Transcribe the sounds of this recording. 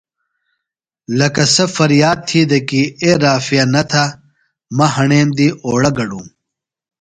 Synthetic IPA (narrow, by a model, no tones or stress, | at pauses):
lɐkɐsɐfɐɾjaːd̪̚t̪ʰiːd̪ɐkieɾaːfijɐnɐt̪ʰa | mɐhɐɳeːmd̪iʔoːɽɐɡɐɖṵ̃ːm